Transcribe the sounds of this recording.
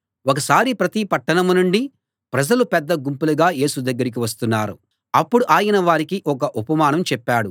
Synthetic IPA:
ɔk̬ɐsaːɾipɾɐt̪ipɐʈːɐɳɐmunuɳɖi | pɾɐd͡ʒɐlupɛd̪ːɐɡumpuluɡaːje̞ːsud̪ɐɡːɐɾik̬iʋɐst̪unːaːɾu | ɐpːuɽuʔaːjɐnɐʋaːɾikiʔɔkɐʔupɐmaːnɐmt͡ʃɛpːaːɽu

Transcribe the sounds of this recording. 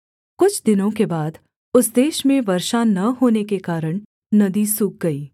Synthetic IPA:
kʊt͡ʃʰd̪ɪnõk̬ebaːd̪ | ʊsd̪eːʃmẽʋɐɾʃanɐɦoːnekekaːɾəɽ̃ | nɐd̪isʊk̚ɡɐiː

